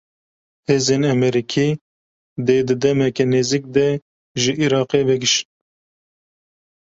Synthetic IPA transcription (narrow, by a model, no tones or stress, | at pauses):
heːzeːnɛmɛɾikʰiː | d̪eːd̪ɨd̪ɛmɛkɛneːzik̚d̪ɛ | ʒɨʔiɾɑːqeːvɛɡɪʃn